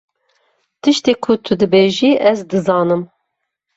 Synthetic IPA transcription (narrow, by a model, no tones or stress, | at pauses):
t̪ʰɨʃt̪eːkʰʊt̪ʰɨd̪ɨbeːʒiːʔɛzd̪ɨzɑːnɨm